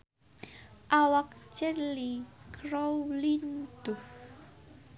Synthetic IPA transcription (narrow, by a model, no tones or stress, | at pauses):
ʔawak̚t͡ʃərlikɾowlind̪̥u